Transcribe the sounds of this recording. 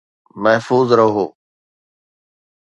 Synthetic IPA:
məɦfuːzɾəɦoː

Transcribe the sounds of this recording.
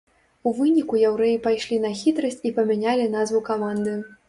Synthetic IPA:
uvɨnʲikujawɾɛjipajʂlʲinɐxʲit̪ɾɐsʲt͡sʲipɐmʲanʲalʲinazvukamand̪ɨ

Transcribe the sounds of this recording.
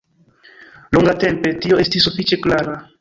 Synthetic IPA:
loŋɡate̞mpe̞tio̞ʔe̞stisːufit͡ʃe̞klaɾa

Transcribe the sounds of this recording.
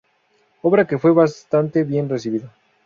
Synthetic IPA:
o̞βɾake̞fwe̞βast̪ant̪e̞βje̞nres̬iβiða

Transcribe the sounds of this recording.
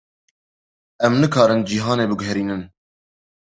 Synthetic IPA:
ɛmnɨkʰɑːɾɨnd͡ʒiɦɑːneːbɨɡɦɾiːnɨn

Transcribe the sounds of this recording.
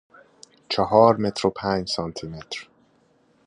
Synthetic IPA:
t͡ʃʰɒɦɒɾmɛt̪ropʰaːɲsɒnt̪ʰimɛt̪r

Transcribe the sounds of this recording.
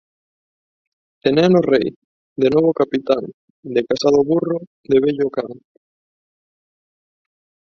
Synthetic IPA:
enɛnorej | d̪enoβ̞okapit̪aŋ | d̪ekasaðoβuro | d̪eβeʎokaŋ

